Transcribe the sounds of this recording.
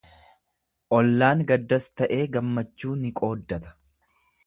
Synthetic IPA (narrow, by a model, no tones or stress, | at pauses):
ʔɔlːaːŋɡɐd̪ːɐst̪ɐʔe̞ːɡɐmːɐt͡ʃːuːnɪkʼo̞ːd̪ːɐt̪ɐ̥